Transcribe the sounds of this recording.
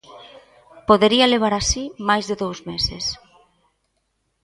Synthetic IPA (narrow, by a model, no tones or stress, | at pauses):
poðeɾialeβ̞aɾasimajzðeðowzmeses